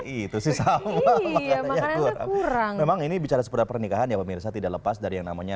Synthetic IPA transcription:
itt̪usɪsamamakaaaɲaakuɾa̰ŋuɾaŋmemaŋinibit͡ʃaɾasə̥puɾapərnikaɦanjapəmirsat̪idaʔləpasdaɾijaŋnamaɲa

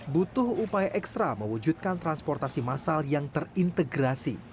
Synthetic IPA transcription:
but̪ʊhupajaʔɛkst̪ɾaməwud͡ʒut̪̚kant̪ɾanspɔrt̪asimasaljaŋt̪ərint̪əɡɾasḭ

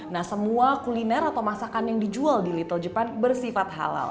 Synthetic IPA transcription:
nahsəmuakulinɛɾat̪awmasakanjaŋdid͡ʒualdilit̪əld͡ʒəpanbərsifat̪̚ha̰la̰l

